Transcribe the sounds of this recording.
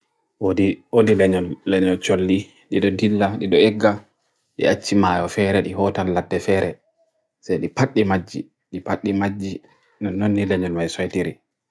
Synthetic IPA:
wodiodilɛɲɔnlɛɲɔnt͡ʃolːi | ɗiɗɔdilːaɗiɗɔɛɡːa | ɗḭat͡ʃːimaːjɔfɛɾɛɗiɦɔtanladːɛfɛːɾɛ | sajɗipaɗːimad͡ʒːi | ɗipaɗːimad͡ʒːi | nɔnːonːilɛɲɔnmajsɔjtiɾi

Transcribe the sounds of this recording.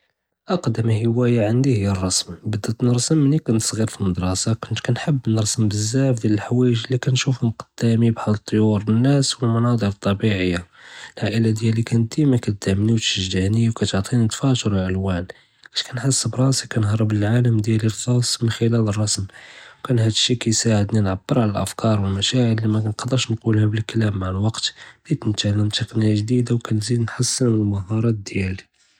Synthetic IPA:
ʔɑqd̪əmhəwæjaʕənd̪ihəjːərˤːɑsmbəd̪ət̪nəɾˤsəmːnikʊnt̪sˤɣiɾfilməd̪ɾˤɑsakʊnt̪kænħəbːnəɾˤsəmbəzːaʕfd̪jæləlħwæjəʒlikænʃufmqə̥d̪̥ːæmibħad̪t̪ˤːjuɾnːæswəlmɑnɑd̪ˤəɾt̪ˤːɑbiʕəjːalʕaʔəlad̪jælikænt̪ːimækæd̪̥ːæmniwt̪ʃəʒd̪æniwkæt̪ʕt̪ˤint̪fæt̪ɾʕəlwæn | æʃkænħasːəbɾˤɑsikænɦɑɾˤəbləlʕaləmd̪jælilxɑsˤmənxəlælərˤːɑsmwkænhæd̪əʃːikæjsaʕəd̪ninʕabːəɾʕaləlʔəfkɑɾˤwəlmæʃaʕəlːimænqɑd̪əʃnqulhæbəlklæmːaʕəlwɑqt̪lit̪nt̪ʕləmt̪əqnəjaʒd̪id̪awkænzid̪nħasːənmənəlmɑhɑɾˤɑt̪̚d̪jæli

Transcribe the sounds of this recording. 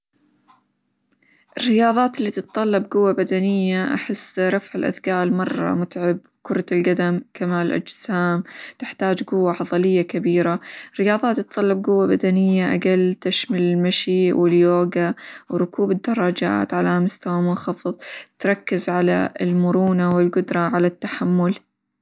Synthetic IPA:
ʔɪrːɪjɑːðˤɑːt̪ɪlːiːt̪ɨt̪ˤtˤɑlːɑbɡʊwːabad̪anɪjːaʔa̰ħɪsːɾˤɑfʕɪlʔa̰ðɡaːʔɪlmɑrˤːɑ̰mʊt̪ʕɪb̚ | kʊɾˤt̪ɪlɡad̪amkamaːlɪlʔa̰d͡ʒsaːmt̪ɪħt̪aːd͡ʒɡʊwːaħɑðˤɑlɪjːakabiːɾarːɪjɑːðˤɑːt̪ːɨt̪ːˤɑlːɑb̚ɡʊwːabad̪anɪjːaʔa̰ɡalt̪aʃmalɪlmaʃiwɪljoːɡawɾʊkuːbɪd̪ːɑrˤːɑd͡ʒa̰ːt̪ʕalamʊst̪awamʊnxɑfɨðˤt̪ɾˤɑkːɪzʕala̰ɪlmʊɾuːnawɪlɡʊd̪ɾˤɑʕalat̪ːaħamːʊl

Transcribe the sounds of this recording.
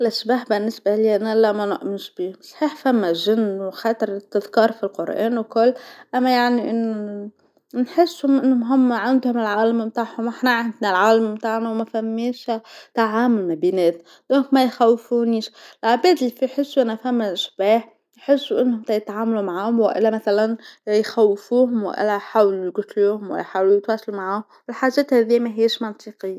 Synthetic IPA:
lʔaʃbaːħbɪnːɪsbaliʔnalamanʊ̰ʔmɪʃb̥iːsˤħiːħfamːaʒɪnːwxat̪ɾˤɪt̪ːɪðkɑːɾˤfilqʊɾʔḛːnwkʊlːʔamːajaʕniʔɪnːʊ | nħɪsːʊmɪnːʊmɦʊmːaʕand̪hʊmɪlʕaːlammt̪aːʕhʊmʔɪħnaʕand̪nalʕaːlammt̪aːʕnawmafamːiːʃat̪aʕaːmʊlmabiːnæːt̪ | d̪̥oːŋkmæjxæwfuniːʃlʕabɛːd̪ɪlːifijħɪsːuʔænæfhæmːæʔɪʃbaːħ | jħɪsːuʔɪnːhʊmt̪æjɪt̪ʕaːmalumaʕaːhʊmwɪʔɪ̰lːæmæθalanjxæwːɪfuːɦʊmwɪ̰ʔɪ̰lːæjħaːwlujɡʊt̪luːhʊmwɪ̰ħaːwlujɪt̪wæːsalumaʕaːʊmwɪlħaːʒːɛːt̪hæːðijːmæɦiːʃmɑnt̪ˤiːqɪjːa

